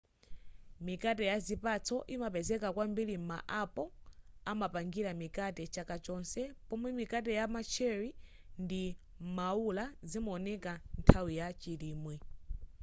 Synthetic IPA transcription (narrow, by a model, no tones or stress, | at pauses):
mikat̬ɛjazipat͡sɔʔimapɛzɛkakwambiɾima̰ʔapɔamapaŋɡiɾamikatɛt͡ʃakat͡ʃɔnsɛpɔmwɛmikat̬ɛjamat͡ʃʰɛɾi | ndi | maulazimuɔnɛkantʰawijat͡ʃiɾiːmwɛ